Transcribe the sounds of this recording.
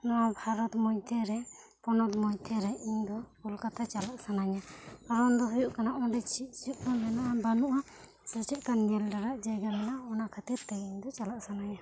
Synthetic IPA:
nɔabʱaɾɔt̪mɔjt̪ʰɛɾɛpɔnɔt̪mɔjt̪ʰɛɾɛiɲd̪ɔulkat̪at͡ʃalaʔsanaɲaaɾɔnd̪ɔɦujuʔkanaʔɔd̪ɛt͡ʃiʔt͡ʃuʔ̚kamɛnaʔabanuʔa | sət͡ʃiʔkanːɛlɖaɾaʔd͡ʒaɡamɛnaɔnakʰat̪iɾt̪ɛɡiɲd̪ɔt͡ʃalaʔsanaɲa

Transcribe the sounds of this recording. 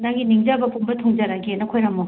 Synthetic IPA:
naɡiniŋd͡ʒabɐpumbɐtʰɔŋd͡ʒaɾaɡenɐkʰojɾamo

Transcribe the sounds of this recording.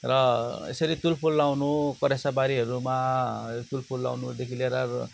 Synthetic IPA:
rʌḛsʌɾit̪ulpʰulːawnukʌɾjasabaɾiɦʌɾumat̪ulpʰulːa̰wnud̪ekʰileɾʌ

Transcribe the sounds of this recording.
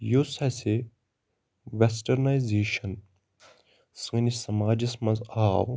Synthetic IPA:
josɐse | ʋesʈɐɾnajzeːʃɐn | sɨŋnisɐmaːd͡ʒɐsmɐ̃nzaːw

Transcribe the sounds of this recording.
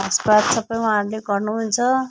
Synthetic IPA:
ʌspatsʌpːʌjɦʌɦãɾuleɡʌrnuɦunt͡sʰʌ

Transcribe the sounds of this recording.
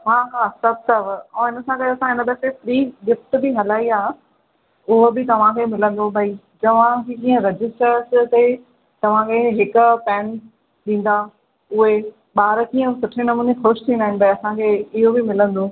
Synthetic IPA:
ɦaːɦaːsɐb̚ʱsɐb̃ʱɦɪnə̆sãkɐjoɐsãɦɪnəbɛːsefɾiːɡɪfʈ̪bɪɦɐlaːiaː | ʊɦʊbɪt̪ɐʋ̤ãkʰeːmɪlə̃nd̪obʱɐi | d͡ʑɐʋ̤ãkʰekĩːə̃ɾɐd͡ʑɪsʈəɾst̪e | t̪ɐʋ̤ãkʰeɦɪkʊ̆pɛːn | ɗĩːn̆d̪a | ʊɦe | ɓaːɾkiːə̃sʊʈʰenɐmuːnexʊʃt̪ʰĩnd̪aːɦɪ̃nɪbʱɐiɐsãkʰeːɪɦobɪmɪlə̃nd̪oː

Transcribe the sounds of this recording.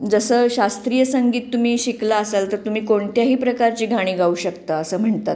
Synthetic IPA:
d͡zəsəːɕast̪ɾijəsəŋɡiːt̪ːum̤iːɕiklaːsəlt̪əɾt̪um̤iːkoɳt̪jaɦiːpɾəkaɾt͡ɕiːɡʱaɽ̃iːɡauːɕəkt̪aːsəːm̤əɳt̪at̪̚

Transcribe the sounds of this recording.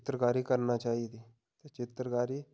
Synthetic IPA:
t̪ɾəkaɾiːkəɾnat͡ʃaɦit̪i | t̪ət͡ʃɪt̪ɾəkaɾiː

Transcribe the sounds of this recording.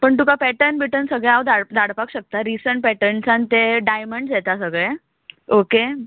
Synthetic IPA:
pəɳt̪ukapɛʈəɾnbʱiʈənsəɡɭeawd̪ʱaɽd̪ʱaɽpakɕək̚t̪aɾisəɳʈ̚pɛʈəɳsãnt̪eɖajməɳɖd͡ʑɛt̪asəɡɭɛ | oke

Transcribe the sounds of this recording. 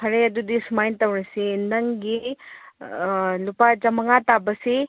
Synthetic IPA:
pʰɐɾeɐdudisumajntɐwɾɐsinɐŋɡi | lupad͡ʒɐmɐŋatabɐsi

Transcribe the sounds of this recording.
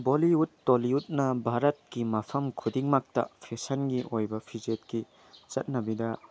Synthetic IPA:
boliutːoliut̚nɐbʱaɾɐt̚kimɐpʰɐmkʰudiŋmak̚tɐ̰pʰesɐnɡiʔojbɐpʰizet̚ki | t͡ʃɐt̚nɐbidɐ

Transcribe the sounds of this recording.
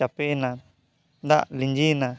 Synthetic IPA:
apɛna | d̪aʔliɲd͡ʒina

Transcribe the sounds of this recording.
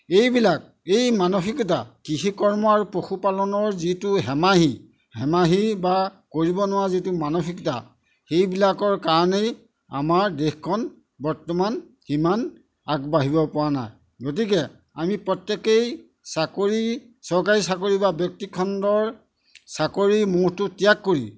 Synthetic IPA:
ejbilak̚ | ejmanoxikɔtakiɦikɔɹmɔaɹupɹoxupalɔnɔɹzituɦɛmaɦi | hɛmaɦiba | koɹibɔnʊwazitumanoxʰikɔta̰ | xejbilakɔɹkaɹɔnej | a̰maɹdexkʰɔn | bɔɹtɔman | himan | akbaɦibɔpʊwana̰j | ɡot̬ikɛ | amipɹɔtjɛkej | sakoɹi | sɔɹkaɹisakoɹibabjɔk̚tikʰɔndɔɹ | sakoɹimuɹtʊtijakːoɹḭ

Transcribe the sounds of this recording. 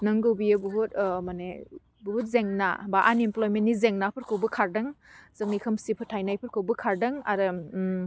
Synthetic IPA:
nɯŋɡɯwbijebuɦutmane | buɦut̚zeŋna̰baʔa̰nimplojmenːizeŋnapʰɯɾkʰowbɐkʰaɾdɐŋzɐŋ̚nikʰɐmsipʰɯtʰajnajpʰɯɾkʰɯwbɐkʰaɾdɐŋaɾɯ

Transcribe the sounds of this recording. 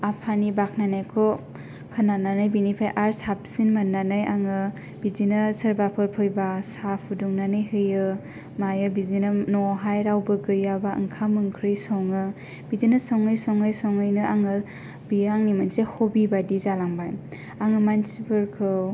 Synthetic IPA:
apʰanibak̚ʰnanajkʰɔ | kʰanananɯjbinipʰajʔaɾsap̚sinmanːanɯjaŋɯ | b̥izinɯsəɾbapʰɯɾpʰɯjbasapʰuduŋnanɯjhɯjɯ | majɯbizinɯnɔɦajɾawbɯɡɯjabaɯ̰ŋkʰamɯŋkʰɾɯjsɔŋɯ | bizinɯsɔŋɯjsɔŋɯjsɔŋɯjnɯaŋɯ | biɾaŋnimɯnsehobibadizalaŋbaj | aŋɯmansibʰɯɾkʰɯw

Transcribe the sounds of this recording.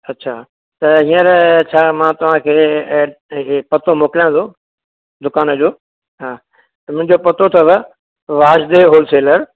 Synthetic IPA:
ɐtːɕʰaː | t̪ɐɦiːə̃ɾt͡ɕʰaːmãːt̪ɐʋ̤ãkʰeː | pɐt̪omoːkɪlijãt̪ʰoː | d̪ʊkaːnəd͡ʑoː | ɦaː | t̪ɐmʊ̃ɦɪ̃ɲd͡ʑopɐt̪ot̪ʰɐʋ | ʋaːd͡ʑd̪eɦoːlseːləɾ

